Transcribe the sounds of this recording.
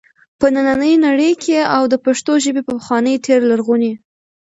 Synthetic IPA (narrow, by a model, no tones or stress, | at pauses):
pənananəjnaɽəjkʰeawd̪əpaʂt̪oʒəbepəpəxwɑnəjt̪ʰeɾlaɾɣuni